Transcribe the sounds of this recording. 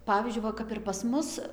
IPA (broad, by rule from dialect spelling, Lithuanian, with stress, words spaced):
ˈpɑːʋʲiːzʲd͡ʒʲʊɪ ˈʋɐ kɐp ɪr pɐs ˈmʊs